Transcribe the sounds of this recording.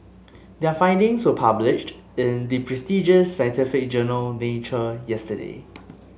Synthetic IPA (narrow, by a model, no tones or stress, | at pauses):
dɛəfãɪ̃ndɪ̃ŋswəpʰablɪʃt | ɪ̃ndipʰɹɛstid͡ʒəsːãj̃ntɪfɪk̚d͡ʒənəlnet͡ʃəjɛstədḛ